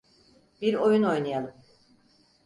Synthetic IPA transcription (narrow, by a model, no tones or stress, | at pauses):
biɾo̞juno̞jnajalˠɯm